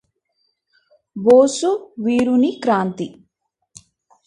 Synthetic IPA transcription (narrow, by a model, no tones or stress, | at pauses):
boːsuʋiːɾunikɾaːnt̪i